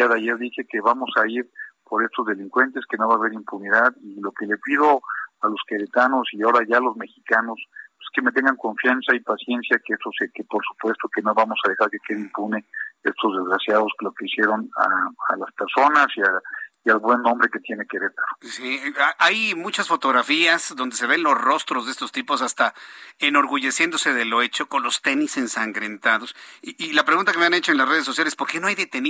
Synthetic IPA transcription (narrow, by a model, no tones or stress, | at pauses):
jaðeaʝeɾðixe̞ke̞βamo̞saiɾpoɾe̞st̪o̞zðe̞liŋkwe̞nt̪e̞ske̞no̞βaːβe̞ɾimpuniðaðilo̞ke̞le̞pið̞o̞alo̞skeɾet̪ano̞siao̞ɾaʝaːlo̞zme̞xikano̞seske̞met̪̬e̞ŋɡaŋko̞ɱfjansaipasje̞nsjakeest̪osekepo̞ɾsu̥pwe̞st̪o̞ke̞no̞βamo̞sað̞e̞xaɾke̞ke̞ðeimpuneest̪o̞zðe̞zɣɾasjaðo̞sklo̞ke̞isje̞ɾo̞na̰a̰laspeɾso̞nasiaialβwe̞nːõmbɾe̞ke̞t̪je̞nekeɾet̪aɾosiaʔajmut͡ʃasfo̞t̪o̞ɣɾafiaz̥ðo̞nd̪e̞se̞βe̞nlo̞sro̞st̪ɾo̞zðest̪o̞st̪ipo̞sast̪aeno̞ɾɣuʝe̞sjend̪o̞se̞ðelo̞e̞t͡ʃo̞ko̞nlo̞st̪e̞nise̞nsaŋɡɾe̞nt̪aðo̞siilapɾeɣunt̪akemeane̞t͡ʃo̞enlasre̞ð̞es̬o̞s̬jalespo̞ɾke̞noajðe̞t̪e̞n